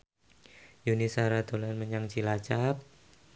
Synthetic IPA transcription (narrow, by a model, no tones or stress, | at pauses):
junisaɾad̪̥o̤lanməɲaŋt͡ʃilat͡ʃap̚